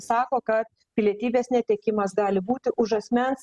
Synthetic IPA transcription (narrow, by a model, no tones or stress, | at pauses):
sɑːkoːkɐt̪̚ | pʲɪlʲiɛt̪ʲiːbʲeːsnʲɛt̪ʲeːkʲɪmɐsɡɑːlʲɪbuːt̪ʲɪʔʊʃɐsʲmʲɛns